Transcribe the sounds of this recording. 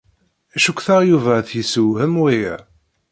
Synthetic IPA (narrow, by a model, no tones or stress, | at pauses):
æʃukʷːθɑʁjuvæθjisəwhəmwijæ̰